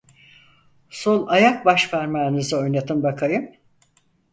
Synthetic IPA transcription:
sonˠajak̚baʃvæɾmaːnɯzɯo̞jnad̪ɯmbakʰajɯm

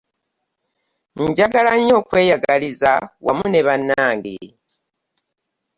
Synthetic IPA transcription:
ɲɟaɡalaɲo̞ːkwe̞ːjaɡalizawa̰muneβanːaːŋɡḭ

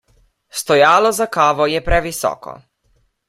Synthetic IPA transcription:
st̪ɔjaːlɔzakaːʋɔjɛpɾɛʋisɔ̰ːkɔ̰

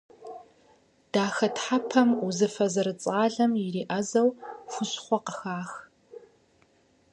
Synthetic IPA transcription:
d̥aːxɐtħapʰɐmuzɨfɐzɐɾɨt͡sʼaːɮɐmjɪɾiːʔɐzɐwfʷʊɕχʷɔqəxaːx

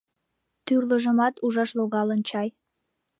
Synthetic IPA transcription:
t̪yrləʒəmɑt̪uʒɑʃloɣɑlənt͡ɕɑj

